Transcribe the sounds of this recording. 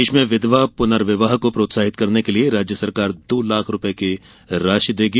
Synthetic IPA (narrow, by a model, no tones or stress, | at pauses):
eːʃmẽʋɪd̪ʋapʊnəɾʋɪʋaːɦkopɾoːt̪saːɦɪt̪kɐɾnekelieɾaːd͡ʒjəsɐɾkaːɾd̪oːlaːkʰɾʊpəeke | ɾaːʃəd̪eːɡi